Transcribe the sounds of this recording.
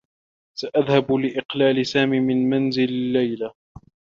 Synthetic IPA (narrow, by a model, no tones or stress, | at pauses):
saʔaðhablɪʔɪqlaːlɪsaːmiːmɪnmanzɪlalːajla